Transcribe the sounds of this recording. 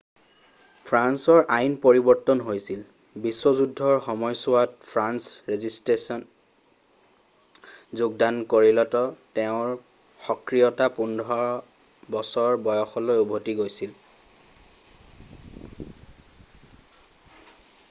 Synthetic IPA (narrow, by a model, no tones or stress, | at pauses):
pʰɹansɔɹʔajnpoɹibɔɹtːɔnɦojsil | biswɔzudʱːɔɹxɔmɔjsʊwatpʰɹansɹezistɹesɔn | zuɡ̚dankoɹilɔtɔtɛʊ̃ɹ | xɔkɹijɔtapundʱɔ | bɔsɔɹbɔjɔxɔlojubʱotiɡojsil